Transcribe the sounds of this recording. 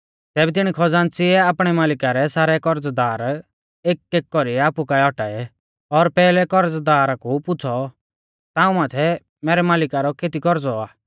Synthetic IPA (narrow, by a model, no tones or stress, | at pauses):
t̪ɛːbɛt̪̬ɪɽ̃ikʰɔd͡zãːnt͡sɪɛaːpɽ̃ɛmaːlɪkaɾɛsaːɾɛkɔɾd͡zd̪aːɾ | eːkːeːkːɔɾiɛaːpukaɛɔʈaːɛ | ɔɾpɛːlɛkɔɾd͡zd̪aːɾakupʊt͡sʰɔ | t̪ãːũmaːt̪ʰɛ | mɛːɾɛmaːlɪkaɾɔkʰeːt̪ikɔɾd͡zɔaː